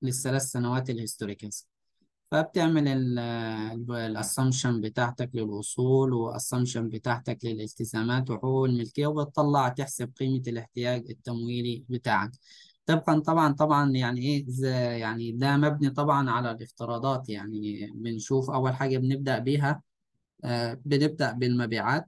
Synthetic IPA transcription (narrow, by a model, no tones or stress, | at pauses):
lɪθːalaːθsanawaːt̪ɪlhʊst̪oɾɪkas | fæb̚t̪ɪʕmɪlɪl | lʔɑsˤːɑmʃambɪt̪aːʕt̪aklɪlʔʊsˤuːlwɪʔɑ̰sˤːɑmʃanbɪt̪aːʕt̪aklɪlʔɪlt̪ɪzaːmaːt̪̬wɪħoɣɪlmɪlkɪjːawbɪt̪ˤːɑlːɑʕt̪ɪħsab̚qiːmalɪħt̪ɪjaːɡɪt̪ːæmwiːlibɪt̪aːʕak | t̪ebɣɑnt̪ˤɑbʕɑnt̪ˤɑbʕɑnjaʕniʔeːzjaʕnid̪æmæbnit̪ˤɑbʕɑnʕalælʔɪft̪ɨɾˤɑːd̪ˤɑːt̪jaʕnibɪnʃuːfʔæwːælħaːɡæbnɪb̚d̪aʔbiːɦæ | bɪnɪb̚d̪æʔbɪlmæbiːʕaːt̪